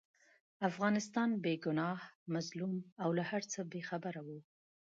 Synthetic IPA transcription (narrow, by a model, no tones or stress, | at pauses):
afɣɑnɪst̪ɑnbeɡʊnɑhmazlumawlahaɾt͡səbexabaɾawu